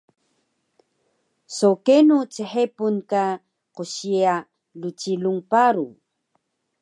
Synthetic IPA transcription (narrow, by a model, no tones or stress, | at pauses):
sokenut͡səħepunka | quɕia | lut͡ɕiluŋpaɾṵ